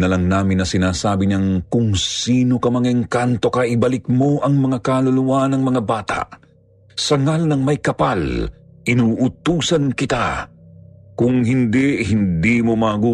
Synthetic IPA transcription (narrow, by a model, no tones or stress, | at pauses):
nɐlɐŋnaːmɪnːɐsɪnaːsaːbɪɲɐŋkʊŋsiːno̞kɐmɐŋɪŋkant̪o̞kɐʔɪbɐlɪk̚moʔɐŋmɐŋakaːlʊluwanɐŋmɐŋabaːt̪a̰ʔ | sɐŋalnɐŋmɐjkɐpal | ʔɪnuːʔʊt̪uːsɐnkɪt̪a̰ | kʊŋɦɪnd̪ihɪnd̪imomaɡuː